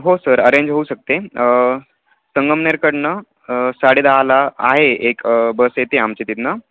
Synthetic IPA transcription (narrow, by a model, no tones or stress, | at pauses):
ɦosəɾəɾeɲd͡ʑɦouɕək̚t̪e | səŋɡəmneɾkəɽnə | saɽid̪aɦala̰ːɦeekbəsjet̪eamt͡ɕet̪it̪nə